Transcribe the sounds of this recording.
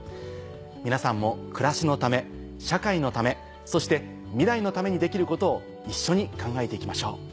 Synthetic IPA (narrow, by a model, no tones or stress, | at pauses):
mʲinasãmːo̞kɯ̟ɾaɕino̞t̪ame̞ | ɕakaino̞t̪ame̞ | so̞ɕi̥t̪e̞ | mʲiɾaino̞t̪ame̞ɲ̟id̪e̞kʲiɾɯ̟ko̞t̪o̞ː | iɕːo̞ɲ̟ikãŋɡae̞t̪e̞ikʲimaɕo̞ː